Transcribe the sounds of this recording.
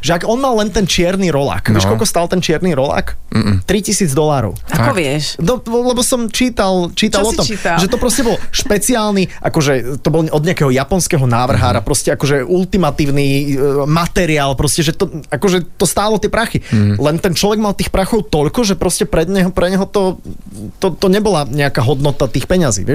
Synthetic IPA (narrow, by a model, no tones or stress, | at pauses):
ʒɛaɡɔnmalːɛnt̪ɛnt͡ʃɪɛɾniɾɔla̰kʋɛʃkɔʎkɔst̪aːlt̪ɛnt͡ʃɪɛɾniɾɔla̰kt̪ɾicisiːd͡zd̪ɔlaːɾɔ̰ʊakɔʋɪɛʃnɔlɛbɔsɔmt͡ʃiːt̪alt͡ʃiːt̪alˠɔt̪ɔmiaʒɛt̪ɔpɾɔscɛbɔlʃpɛt͡siaːlniʔakɔʒɛt̪ɔbɔlʔɔd̪ɲɪakɛɦɔjapɔnskɛɦɔnaːʋr̩ɦaːɾapɾɔscɛakɔʒɛʔult̪imat̪iːʊnimat̪ɛɾiaːlˠpɾɔscɛʒɛt̪ɔakɔʒɛt̪ɔst̪aːlɔt̪ɪɛpɾaxilɛnt̪ɛnt͡ʃlɔʋɛɡmalt̪iːxpɾaxɔʊt̪ɔʎkɔʒɛpɾɔscɛpɾɛd̪ɲɛɦɔpɾɛɲɛɦɔt̪ɔ | t̪ɔt̪ɔɲɛbɔlaɲɛakaːɦɔd̪nɔt̪at̪iːxpɛɲazḭːʋɛ